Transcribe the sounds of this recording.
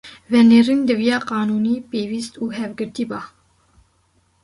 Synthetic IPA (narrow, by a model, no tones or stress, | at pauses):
vɛneːrind̪ɨvijɑːqɑːnuːniːpeːviːst̪uːɦɛvɡɨɾt̪iːbɑː